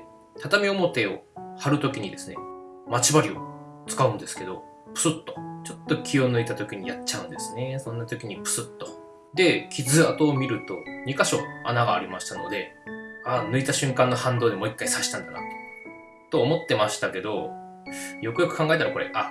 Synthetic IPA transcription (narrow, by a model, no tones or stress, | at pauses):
t̪ʰat̪amʲio̞mo̞t̪e̞o̞haɾɯ̟t̪o̞kʲiɲ̟id̪e̞sɨne̞mat͡ɕibaɾʲio̞̰t͡sɨ̥kaɯ̟̃nd̪e̞sɨ̥ke̞d̪o̞̰ | pɯ̟̥sɨt̪ːo̞̥t͡ɕo̞t̪ːo̞kʲio̞nɯ̟it̪at̪o̞kʲiɲ̟ḭjat͡ɕaɯ̟̃nd̪e̞sɨne̞sõ̞nːat̪o̞kʲiɲ̟ipɯ̟̥sɨt̪ːo̞̥ | d̪e̞kʲʰizɨat̪o̞ːmʲiɾɯ̟t̪o̞ɲ̟ikaɕo̞a̰naɡaːɾʲimaɕi̥t̪ano̞̰d̪e̞anɯ̟it̪aɕɨ̃ŋkãnːo̞hãnd̪oːd̪emo̞ikːaisaɕi̥t̪ãnd̪ana̰t̪o̥ | t̪o̞ːmo̞t̪ːe̞maɕi̥t̪ake̞d̪o̞ | jo̞kɯ̟jo̞kɯ̟kãŋɡae̞t̪aɾako̞ɾe̞̰ʔa